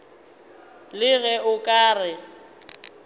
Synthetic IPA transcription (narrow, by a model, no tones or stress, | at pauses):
lɪɣɛʔʊkʼaːrɪ